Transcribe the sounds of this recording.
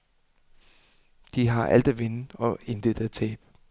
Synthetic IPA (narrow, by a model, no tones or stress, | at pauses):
d̥iɦɑ̈ʔæl̰d̥æʋenəɒ̽e̝nd̥eð̥æt͡sʰɛ̰ːb̥